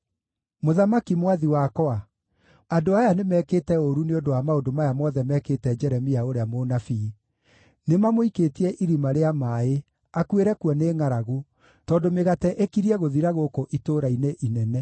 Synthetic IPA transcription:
moðamakimwaðiwakɔa | adoajanemɛːketɛoɾuneondoamaodomajamɔðɛmɛːketɛd͡ʒɛɾɛmiaoɾeamonafi | nemamoikeːtiɛʔiɾimaɾeamae | akweɾɛkuɔneːŋaɾaɣo | tɔdomeɣatɛʔekiɾiɛɣoðiɾaɣokoʔitoɾaineʔinɛnɛ

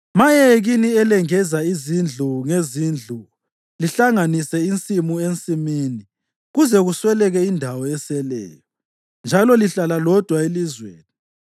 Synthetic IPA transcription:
majɛɣiniɛlɛŋɛzaizind͡ɮʱuŋezind͡ɮʱu | liɬaŋanisɛint͡sʼimuent͡sʼimiːni | ɣuzɛɣuswɛlɛɣɛindʱawɔɛsɛlɛ̰ːjɔ | nd͡ʒʱalɔliɬalalɔd̥ʱwaelizwḛːni

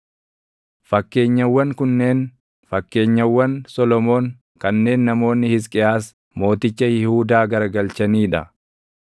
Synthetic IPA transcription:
fɐkːe̞ːɲːɐwːɐŋkʊnːe̞ːn | fɐkːe̞ːɲːɐwːɐnsɔlɔmo̞ːŋ | kɐnːe̞ːnːɐmo̞ːnːɪhɪs̬kʼɪjaːs | mo̞ːt̪ɪt͡ʃːɐjɪhuːd̪aːɡɐɾɐɡɐlt͡ʃɐniːᶑɐ̰

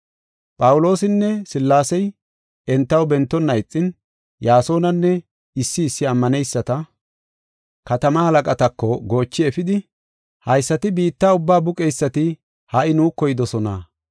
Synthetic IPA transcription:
pʼɐwʊlo̞ːsɪnːɛsɪlːaːsɛj | ɛnt̪ːɐwbɛnt̪ːɔnːɐjt͡sʼːɪn | jaːso̞ːnɐnːɛ | ɪsːɪːsːɪɐmːɐnɛjsːɐt̪ɐ | kɐt̪ɐmɐhɐlɐkʼɐt̪ɐkːɔɡo̞ːt͡ʃːɪɛfɪd̪ɪ | hɐjsːɐt̪ɪbiːt̪ːaːʊbːaːbʊkʼɛjsːɐt̪ɪ | hɐʔɪnuːkːɔjɪd̪ɔsɔna̰

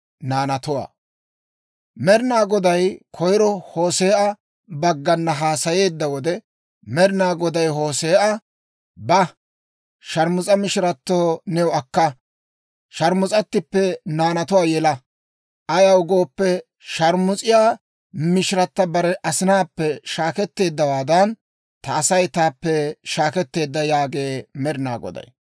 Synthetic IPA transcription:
naːnɐt̪ʊwa̰ː | mɛɾɪnaːɡɔd̪ɐjkʰɔjɾɔho̞ːse̞ːʔɐ | bɐɡːɐnːɐɦaːsɐje̞ːd̪ːɐwɔd̪ɛ | mɛɾɪnaːɡɔd̪ɐjɦo̞ːse̞ːʔɐ | bɐ | ʃɐɾmʊt͡sʼɐmɪʃɪɾɐt̪ːoːnɛwʊɐkːɐ | ʃɐɾmʊt͡sʼɐt̪ːɪpːɛnaːnɐt̪ʊwaːjɛlɐ | ʔɐjɐʊɡo̞ːpːɛ | ʃɐɾmʊt͡sʼɪjaː | mɪʃɾɐt̪ːɐbɐɾɛʔɐsɪnaːpːɛʃaːkɛt̪ːe̞ːd̪ːɐwaːd̪ɐn | t̪ɐːsɐjt̪aːpːɛʃaːkɛt̪ːe̞ːd̪ːɐjaːɡe̞ːmɛɾɪna̰ːɡɔ̰d̪ɐ̰j

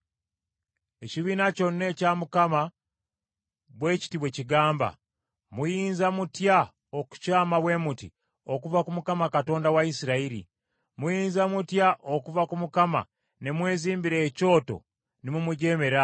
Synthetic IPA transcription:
e̞ciβiːnaco̞nːe̞camukama | βwe̞ːci̥tiβwe̞ciɡaːmba̰ | mujiːnzamutja | oku̥caːmaβwe̞muti | o̞kuvakumukamakato̞ːndawaisiɾaiɾḭ | mujiːnzamutjaʔokuvakumukama̰ | ne̞mwe̞ːziːmbiɾe̞ːco̞ːto̞̰ | nimumuɟe̞ːme̞ɾa

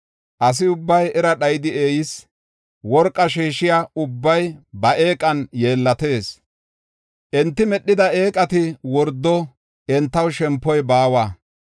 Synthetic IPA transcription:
ʔɐs̬ɪʊbːɐjɛɾɐɗɐjɪd̪ɪeːjɪs | wɔɾkʼːɐʃiːʃɪjaːʊbːɐjbɐʔe̞ːkʼɐnjeːlːɐt̪e̞ːs | ʔɛnt̪ːɪmɛɗːɪd̪ɐe̞ːkʼɐt̪ɪwɔɾd̪ːɔ | ɛnt̪ːɐwʃɛmpːɔjbaːwaː

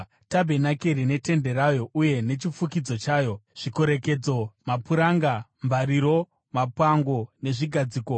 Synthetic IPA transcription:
tabʱe̞nakeɾine̞te̞nde̞ɾajo̞ʔuje̞ne̞t͡ʃifukid͡zo̞t͡ʃaːjo̞ʐ̥iko̞ɾe̞ke̞d͡zo̞mapuɾaŋɡamvaɾiɾo̞ | mapwaŋɡo̞ne̞ʐiɡʱad͡ziːko

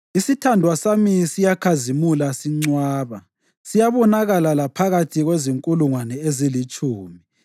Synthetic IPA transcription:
isitʰandʱwasamisijakʰazimulasiŋ͡ǀwaːβa | sijaβɔnaɣalalapʰaɣatʰiɣweziŋkʼuluŋwanɛezilit͡ʃʼuːmi

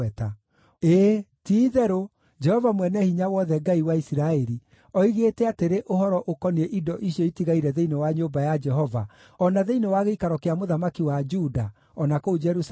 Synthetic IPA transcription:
ɛta | eːtiːðɛɾo | d͡ʒɛhɔvamwɛnɛhiɲawɔðɛɡaiwaisiɾaɛɾi | ɔiɣetɛateɾeʔoɦɔɾɔʔokɔnieʔidɔʔiɕjɔitiɣaiɾɛðeinewaɲobajad͡ʒɛɦɔva̰ | ɔnaðeinewaɣeikaɾɔkeamoðamakiwad͡ʒuda | ɔnakoud͡ʒɛɾus

